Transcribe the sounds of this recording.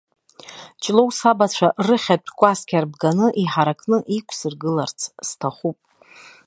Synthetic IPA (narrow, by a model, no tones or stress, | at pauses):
t͡ʃʼlowsabat͡ɕʷʰarɨχʲatʷʼʰkʷʼaskʲʰarbɡanɨʔiħaɾakʰʼnɨʔikʷʰsɨrɡɨlart͡sʰstʰaχupʼ